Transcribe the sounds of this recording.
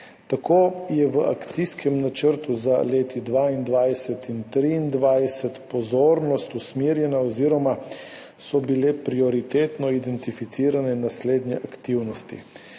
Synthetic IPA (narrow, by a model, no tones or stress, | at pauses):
t̪akʰoːjɛʋəa̰kt̪siskʰɛmnat͡ʃəɾt̪uzaleːt̪id̪ʋaind̪ʋajsɛt̪int̪ɾiːnd̪ʋajsɛt̪pɔzoːɾnɔst̪usmiːɾjɛnaɔziːɾɔma | sɔbilɛpɾiɔɾit̪eːt̪nɔid̪ɛnt̪ifit̪siːɾanɛnasleːd̪nɛʔakt̪iwnɔst̪ḭ